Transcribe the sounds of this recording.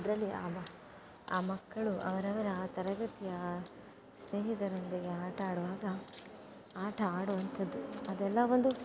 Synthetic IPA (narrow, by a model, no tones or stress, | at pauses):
d̪ɾɐlːiaːbɐ | aːmɐkːɐɭuʔɐ̰ʋɐɾɐʋɐɾɐaːt̪ɐɾɐɡɐt̪ijɐ | sneːɦid̪ɐɾɐnd̪eɡeaːʈʰɐaːɽuʋaːɡɐ | aːʈʰɐaːɽuʋɐnt̪ʰɐd̪ːuɐd̪ɛlːɐʋo̞nd̪u